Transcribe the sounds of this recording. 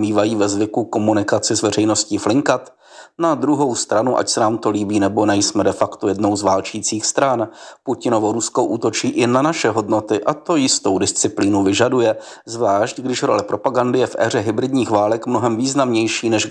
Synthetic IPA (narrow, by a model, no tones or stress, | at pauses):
miːvajiːvɛzvɪkuko̞munɪkat͡sɪzvɛr̝ɛjno̞sciːflɪŋkat̪ | nad̪ɾuɦo̞wst̪ɾanuʔa̰csɛnaːmt̪o̞liːbiːnɛbo̞nɛjsmɛdɛfakt̪ojɛdno̞wzvaːlt͡ʃiːt͡siːxst̪ɾanpucɪno̞vo̞ɾuskoʔuːt̪o̞t͡ʃiːʔɪnanaʃɛɦo̞dno̞t̪ɪʔat̪o̞jɪst̪o̞wdɪst͡sɪpliːnuvɪʒadujɛ | zvlaːʃcɡdɪʃɾo̞̰lɛpɾo̞paɡandɪjɛfʔɛ̰ːr̝ɛɦɪbɾɪdɲiːxvaːlɛkmno̞ɦɛmviːznamɲɛjʃiːnɛʃ